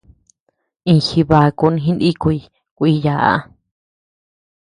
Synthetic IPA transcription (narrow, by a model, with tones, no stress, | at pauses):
ĩ˧xi˧βa˧ku˧nĩ˧ɦĩ˦ndi˦kʷu˧i˧ | kʷi˧ja˨ʔa̰˧